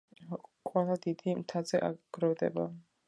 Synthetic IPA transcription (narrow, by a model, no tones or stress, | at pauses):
qʼwɛlˠad̪id̪imt̪ʰazɛʔa̰ɡ̥ɾɔvd̪ɛ̰ba